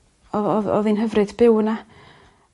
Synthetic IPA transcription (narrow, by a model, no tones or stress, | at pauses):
ɔɔðɔ̰ðinɦəvrɨd̥bɪwna